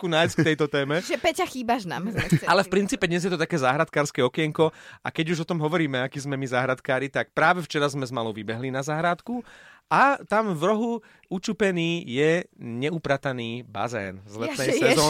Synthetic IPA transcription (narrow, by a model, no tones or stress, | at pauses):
kunajskt̪ɛjt̪ɔt̪ɛːmɛʒɛpɛcaxiːbaʒna̰mɛalɛfpɾintt͡siːpɛd̪ɲɛzjɛt̪ɔt̪akɛːzaːɦɾat̪kaːɾskɛɔkɪɛŋkɔa̰kɛɟuʒɔt̪ɔmɦɔʋɔɾiːmɛakiːzmɛmizaːɦɾat̪kaːɾit̪ak̚pɾaːʋɛft͡ʃɛɾazmɛzmalɔʊʋibɛɦlinazaːɦɾaːt̪kuat̪amvɾɔɦu | ut͡ʃupɛniːjɛɲɛupɾat̪aniːba̰zɛ̰ːnzlɛnɛjsɛzɔː